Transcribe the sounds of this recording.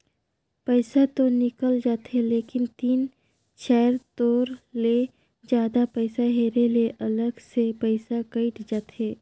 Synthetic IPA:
pəɪsat̪onɪkəld͡ʒaːt̪ɦeleːkɪnt̪iːn | ʃɛːəɾt̪oːɾle | d͡ʒjaːd̪apɛɪsaɦeːɾeleʔɐləɡsepəɪsakəɪʈd͡ʒaːt̪ɦeː

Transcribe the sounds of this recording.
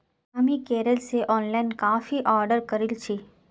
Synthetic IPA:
ɐmĩkeːɾəlseʔɔːnlaːɪnkaːfiʔɔːɾɖəɾkəɾɪlt͡ʃʰi

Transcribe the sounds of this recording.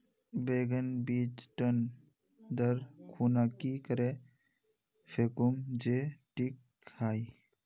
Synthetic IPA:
beːɡənbiːt͡ʃʈən | d̪əɾkʰuːnakikəɾe | fʰeːkʊmd͡ʒeʈikʰː | aːi

